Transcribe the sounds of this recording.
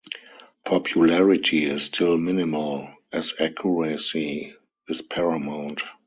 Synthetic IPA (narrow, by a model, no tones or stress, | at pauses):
pʰɔpʰjulɛɹɪtʰiɪsstʰɪlmɪnɪməl | ɛzækʰjuɹɛsi | ɪspʰɛɹamãʊ̃nt